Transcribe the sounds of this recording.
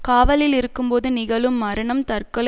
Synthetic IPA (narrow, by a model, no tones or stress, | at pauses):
kaːʋɐlɪlɪɾɯkːɯmpoːðɯnɪɣɐɭɯmːɐɾɐɳɐmt̪ɐrkɐɭ